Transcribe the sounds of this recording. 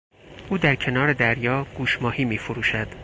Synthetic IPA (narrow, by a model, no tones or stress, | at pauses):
ʔuːd̪æɾcʰe̞nɒːɾe̞d̪æɾjɒːɡ̥uːʃmɒːhiːmiːfoɾuːʃæd̪̥